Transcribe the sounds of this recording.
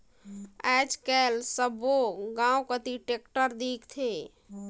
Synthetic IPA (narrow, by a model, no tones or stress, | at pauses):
ɛːd͡ʒkɛlsəboɡãːwkət̪iʈekʈəɾd̪iːkt̪ʰe